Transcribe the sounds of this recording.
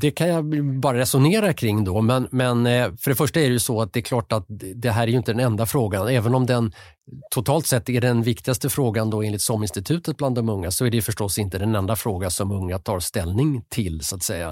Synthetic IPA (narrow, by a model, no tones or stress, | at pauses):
d̪ɛkʰanjabɑːɾaɾɛsʊneːɾakʰɾɪŋːd̪ɔmɛnmɛnfœɖɛfœʂʈaæɖɛjɵsɔat̪̚d̪ɛːɾkʰlɑːʈat̪̚d̪ɛɦæːɾæɾjɵɪnt̪əd̪ɛnɛnd̪afɾoːɡanɛːvənɔmd̪ɛn | t̪ʰʊt̪ʰɑːlt̪sɛt̪ːæɖɛnvɪkt̪ɪɡast̪əfɾoːɡand̪ɔeːnlɪt̪sɔmːɪnst̪ɪt̪ʰʉ̟ːt̪ət̪̚bland̪ːɔmɵŋːasɔæɖɛjɵfœʂʈɔsːɪnt̪əd̪ɛnɛnd̪afɾoːɡasɔmɵŋːat̪ʰɑːɾst̪ɛlnɪŋt̪ʰɪlsʊat̪sɛjːa̰